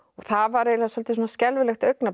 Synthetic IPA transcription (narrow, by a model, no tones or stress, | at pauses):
ɔɣθavaɾɛlasɔlt̪ɪsɔːnascɛlvɪlɛxt̪œɥkna